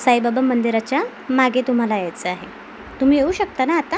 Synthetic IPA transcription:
sajbabamənd̪iɾat͡ɕja | maɡʱet̪um̤alajajt͡səaɦe | t̪um̤iːjeuːɕək̚t̪anaːt̪a

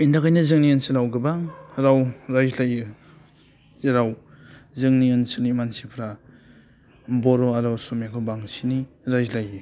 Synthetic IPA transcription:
indakajnazɯŋniɯnsɯlawɡɯbaŋɾawɾajzlajɯ | ɾaw | zɯŋniɯnsɯnimansipʰɾa | bɔɾɔaɾawsumjakʰɔbaŋsini | ɾajzlajɯ

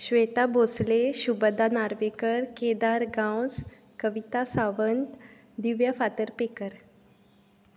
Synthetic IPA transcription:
ɕʋet̪abʱosleɕubəd̪anaɾʋekəɾked̪aɾɡãws | kəʋit̪asaʋənt̪ | d̪iʋjafat̪əɾpekəɾ

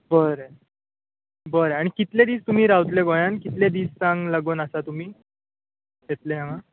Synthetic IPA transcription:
bəɾe | bəɾaɽ̃ikit̪led̪iːst̪um̤iːɾawt̪leɡoj̃ankit̪led̪iːst͡sãŋɡlaɡoːnəsat̪um̤iː | et̪leɦãʋa

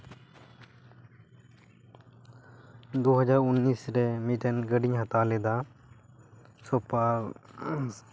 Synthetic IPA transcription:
d̪oɦəd͡ʒaɾunːisɾɛmiʈɛnɡəɖiɲɦət̪alɛd̪a | sɔpa

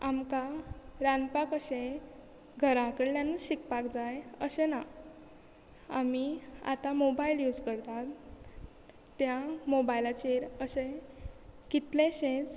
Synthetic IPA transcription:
amkaɾanpakəɕe | ɡʱəɾãkəɽljanət͡sɕikpakd͡zajəɕẽna | a̰mia̰t̪amobailjud͡zkəɾt̪at̪ | jamobajilat͡ɕeɾəɕe | kit̪leɕẽt͡s

